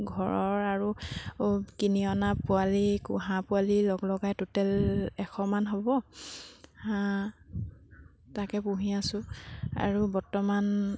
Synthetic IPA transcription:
ɡʱɔɹɔɹaɹu | kiniɔnapʊalikṵɦãpʊalilɔɡlɔɡajtutɛlɛxʰɔmanɦobɔ | hã | takɛpuɦiasʊ̃a̰ɹubɔtɔman

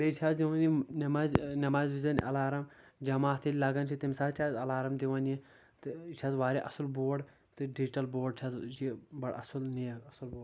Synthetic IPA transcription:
bet͡ʃʰaːzd̪iʋɐninɐmaːznɐmaːzʋizɐnʔɐ̰laːɾɐmd͡ʒɐmaːt̪ʰilʲlɐɡɐnt͡ʃʰit̪imsaːt̪t͡ʃʲʰaːzɐlaːɾɐmd̪iʋɐnji | t̪ɨt͡ʃʲʰaːzʋaːɾʲeʔɐsulboːɖ | t̪ɨɖid͡ʒiʈɐlboːɖt͡ʃʰazt͡ʃʰibɐɽɐ̰sulnijɐɡɐsulboːɖ

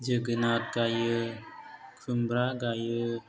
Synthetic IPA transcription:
d͡ʒəɡənat̚ɡajə | kʰɯmbɾaɡajə

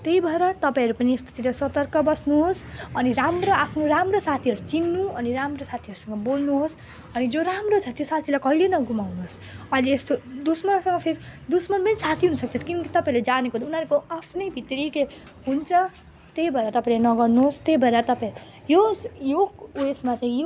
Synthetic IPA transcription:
t̪ejbʱʌeɾʌt̪ʌpaĩɾupʌniest̪o̥t̪iɾʌsʌt̪ʌrkʌbʌsnuɦosʌniɾamroapʰnoɾamrosat̪ʰiɦʌɾud͡zinːuʌniɾamrosat̪ʰiʌɾusʌŋɡʌbolnuɦos | ʌnid͡zoɾamrot͡sʰʌt̪josat̪ʰilajkʌɦilenʌɡumawnuɦos | ʌileest̪od̪usmʌnsʌŋɡʌpʰeɾid̪usmʌnpʌnisat̪ʰiɦunusʌk̚t͡sʰʌkinkit̪ʌpãĩled͡zanekot̪unɦʌɾukoapʰnʌjbʱit̪ɾike | ɦunt͡sʰʌ | t̪ejbʱʌeɾat̪ʌpaĩlenʌɡʌrnuɦost̪ejbʱʌeɾat̪ʌpãĩɾu | jojokesmat͡saĩjo

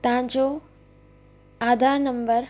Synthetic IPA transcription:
t̪ɐɦãɲd͡ʑo | aːd̪ʱaːɾnə̃mbəɾ

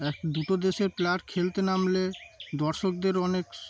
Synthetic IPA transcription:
ɛkd̪uʈod̪eʃeɾplaʈkʰelt̪enamled̪ɔɾʃok̚d̪eɾɔnek

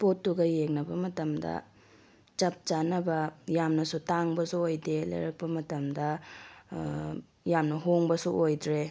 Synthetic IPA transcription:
potːuɡɐjeŋnɐbɐmɐtɐmdɐ̰ | t͡ʃɐp̚t͡ʃanɐbɐjamnɐsutaŋbɐsuojdelɐ̰jɾɐk̚pɐmɐtɐmdɐ | jamnɐɦoŋbɐsuʔojdɾe

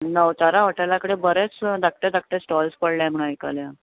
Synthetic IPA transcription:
nəwt͡saɾaʋəʈalakəɽebəɾet͡sd̪ak̚ʈ̪ed̪ak̚ʈ̪esʈɔlspəɽljam̤əɭ̃ajkalja

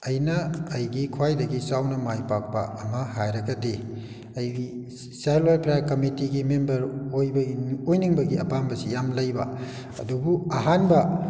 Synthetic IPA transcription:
ɐjnɐːjɡikʰwajdɐɡisawnɐmajpak̚pɐ̰ɐmɐɦajɾɐɡɐdi | ɐji | salwajlpɾajaɾkɐmitiɡimembɐɾojbɐojniŋbɐɡiɐ̰pambɐsijamlɐjbɐ̰ | ɐ̰dubuɐɦanbɐ

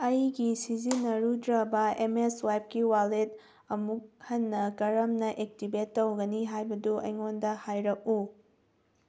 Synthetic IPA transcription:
ɐjɡisizinːɐɾudɾɐbɐemeswajp̚kiwalet̚ | ɐmuk̚hɐnːɐkɐɾɐmnɐʔek̚tibetːɐwɡɐniɦajbɐduɐ̰jŋondɐhajɾɐk̚u

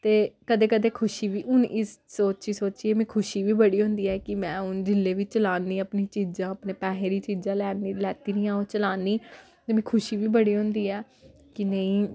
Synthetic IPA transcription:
t̪eːkəd̪eːkəd̪eːkʰʊʃiːʋiːʔʊnʔɪssoːt͡ʃiːsoːt͡ʃiːeːmɛ̃ːkʰʊʃiːʋiːbəɽiːɦʊ̃nd̪iːɛːkɪmɛ̃ːʊnd͡ʒɪlːeːʋit͡ʃəlaːnːĩːəpnĩːt͡ʃiːd͡ʒãːəpnẽːpɛːɦẽːɾiːt͡ʃiːd͡ʒãːlɛːnilɛːt̪iːnĩːãːot͡ʃəlaːniː | t̪eːmɛ̃ːkʰʊʃiːʋiːbəɽiːɦʊ̃nd̪iːɛː | kɪnəĩː

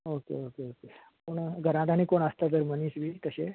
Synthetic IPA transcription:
okḛokeokekoɳɡʱəɾãt̪aniːkoɳəst̪ad͡z̪əɾməniːsʋiːt̪əɕe

